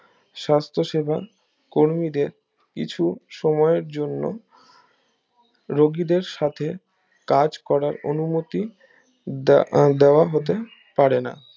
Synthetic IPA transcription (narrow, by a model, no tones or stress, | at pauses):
ʃast̪ʰoʃebʱa̰ | koɾmid̪eɾ | kḭt͡ɕʰuʃɔmɔeɾd͡ʑonːo̰ | ɾoɡid̪eɾʃat̪ʰe | kad͡ʑkɔɾaɾo̰numot̪i | d̪eoaɦot̪e | paɾena̰